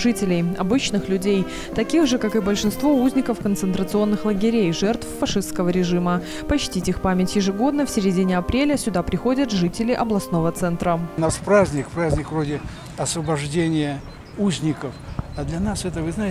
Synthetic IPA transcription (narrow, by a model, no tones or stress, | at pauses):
ʐɨtʲɪlʲɪjɐbɨt͡ɕnɨxlʲʉdʲej | t̪ɐkʲiɣʐɨkakɨbəlʲʂɨnst̪vo̞uzʲnʲɪkəfkənt̪sɨnt̪ɾət̪sɨo̞nːɨxlˠəɡʲɪɾʲejʐɛrt̪fːɐʂɨst̪kəvəɾʲɪʐɨmə | pɐt͡ɕtʲitʲixpamʲɪtʲjɪʐɨɡo̞d̪nəfsʲɪɾʲɪdʲinʲɪɐpɾʲelʲəsʲʊd̪apɾʲɪxo̞dʲət̪ʐɨtʲɪlʲɪʔɐblˠɐsno̞vət̪sɛnt̪ɾənaspɾazʲnʲɪkpɾazʲnʲɪkvrodʲɪ | ɐsvəbɐʐdʲenʲɪjə | uzʲnʲɪkəfad̪lʲɐnasɛt̪əvɨznaɪ